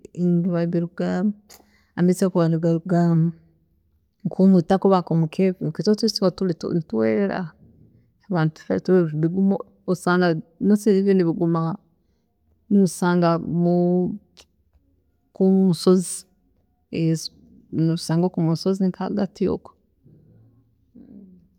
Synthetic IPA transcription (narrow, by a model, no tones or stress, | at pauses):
ŋɡiβaβiɾuɡaːmu | amit͡siokuβaniɡaɾuɡaːma | ŋkʰumutakuβakomukʰefkitotisiotulḭnituwḛːɾeɾa̰ | aβaːnutu̥fetuβeβiɡumo | osaːŋɡanosiiβeniβiɡuma | niusaːŋɡamu | kumusozi | e | niusaːŋɡokumusozikaɡatio̰ko̥